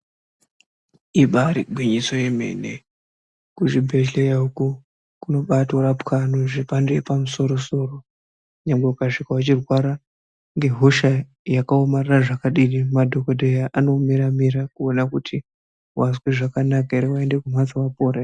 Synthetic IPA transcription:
iɓaɾiɡʱwiɲiso̞je̞me̞̰nḛ | kuʐibʱe̞ɮejauku | kuno̞ɓatoɾapkʰanoʐepandoepamuso̞ɾo̞so̞ro̞ | ɲamɡeukaʂikawat͡ʃirwaɾa | ŋɡe̞ɦoʃa | jakaomareraʐakaɗinimadʱo̞kodʱejaʔano̞miɾamiɾakuonakutʰi | wasweʐakanakaiɾiwaende̞kumat͡sawapoːɾa

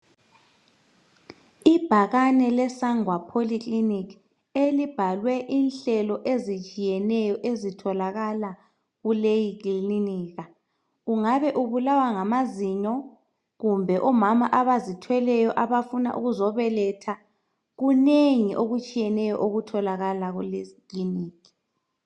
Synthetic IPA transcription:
ib̥ʱaɣanɛlɛsaŋwapʰoliklinikʰ | elib̥ʱalwɛʔinɬɛlɔʔezit͡ʃʼijɛnɛjɔʔezitʰɔlaɣala | ɣulejikʼliliniːɣa | ɣuŋaβɛʔuβulawaŋamaziɲɔ | ɣumbʱɛʔɔmamaʔaβazitʰwɛlɛjɔʔaβafuna̰ʔṵɣuzɔβɛlɛtʰa | ɣuneŋiʔoɣut͡ʃʼijɛnɛjɔ̰ʔoɣutʰɔlaɣalaɣulɛkliniːkʰ

